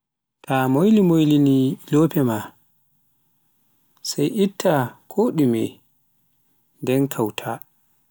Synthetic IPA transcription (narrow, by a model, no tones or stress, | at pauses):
tʰamojlimojliniloːpʰɛma | sajʔitːakʰoɗumɛ̰ | ndɛnkʰawtʰa